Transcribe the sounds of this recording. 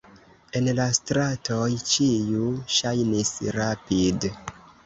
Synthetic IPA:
e̞nlastɾatʰojt͡ʃijuʃajnisɾapid

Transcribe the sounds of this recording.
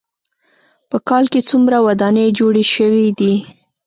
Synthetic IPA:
pəkɑlket͡sumɾawad̪ɑned͡ʒoɽeʃəwid̪i

